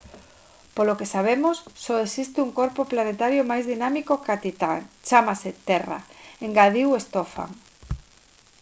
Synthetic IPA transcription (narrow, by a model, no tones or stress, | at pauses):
polokesaβ̞emosːoesist̪ɪuŋkoɾpoplanet̪aɾjomajzðinamikokat̪it̪at͡ʃamaset̪ɛra̰eŋɡaðiwest̪ofa̰ŋ